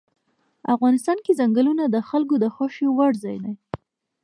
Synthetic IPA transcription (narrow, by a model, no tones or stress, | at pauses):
afɣɑnɪst̪ɑnkezaŋɡəlunad̪əxalk̬od̪əxaʃjowaɽzɑjnaj